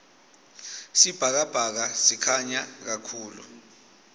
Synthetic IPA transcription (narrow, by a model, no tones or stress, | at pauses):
sib̥ʱak̬ab̥ʱak̬asikʰaɲak̬akʰuːlṵ